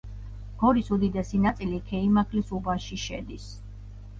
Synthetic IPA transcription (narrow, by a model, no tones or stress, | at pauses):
ɡ̥ɔɾisud̪id̪ɛsinat̪sʼilikʰɛimakʰlisubaʃiʃɛ̰d̪is